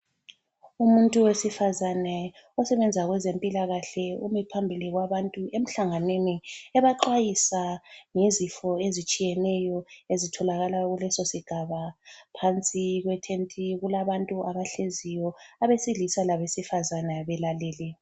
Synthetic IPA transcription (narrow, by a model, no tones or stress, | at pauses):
umuntʼuwesifazanɛ | ɔsɛβɛnd͡zʱaɣwɛzempʼilaɣaɬɛumipʰambʱiliɣwaβantʼuem̩ɬaŋaneniɛβaǃwajisaŋizifɔezit͡ʃʼijɛnɛjɔezitʰɔlaɣalaɣulɛsosiɡ̥ʱaβapʰant͡sʼiɣwɛtʰentʼiɣulaβantʼuʔaβaɬezijɔaβesilisalaβesifazanɛβɛlaleːli